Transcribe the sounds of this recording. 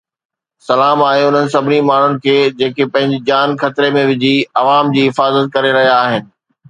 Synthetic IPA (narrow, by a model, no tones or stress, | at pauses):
sɐlaːmaːɦeʊn̤ənɪ̆sɐbʱɪnimaːɳ̤ʊnɪ̆kʰeːd͡ʑeːkʰepɐ̃ɦɪ̃ɲd͡ʑɪd͡ʑaːnxɐt̪ɾemẽʋɪd͡ʑʱiɐʋaːmd͡ʑiːɦɪfaːzət̪̚kɐɾeɾɐɦijaːɦɪnɪ̆